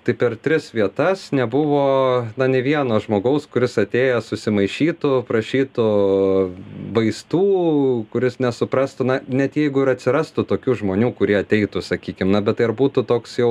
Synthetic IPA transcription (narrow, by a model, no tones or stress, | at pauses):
t̪ɐɪpʲɛrt̪ʲɾʲɪsʋʲiɛt̪ɐsnʲɛbʊʋoːnɐnʲɛʋʲiɛnoːʒmoːɡɐʊskʊɾʲɪsɐt̪ʲeːjɛsʊsʲɪmɐɪʃʲiːt̪ʊpɾɐʃʲiːt̪ʊ | bɐɪst̪uːkʊɾʲɪsnʲɛsʊpɾɐst̪ʊnɐnʲɛt̪jɛɪɡʊɪɾɐt̪ʲsʲɪɾɐst̪ʊt̪oːkʲuːʒmoːnʲuːkʊɾʲiɛɐt̪ʲɛɪt̪ʊsɐkʲiːkʲɪmnɐbʲɛt̪ɐɪɐrbuːt̪ʊt̪oːksjɛʊ